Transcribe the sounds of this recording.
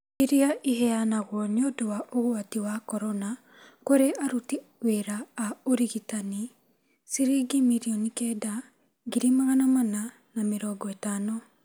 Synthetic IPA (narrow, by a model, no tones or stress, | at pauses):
iɾiaʔiɦɛanaɣwɔneodowaʔoɣwatiwakɔɾɔna | koɾeʔaɾutiweɾaːoɾiɣitani | siɾiɡimiɾiɔnikɛda | ɡiɾimaɣanamana | nameɾɔːɡɔɛtaːnɔ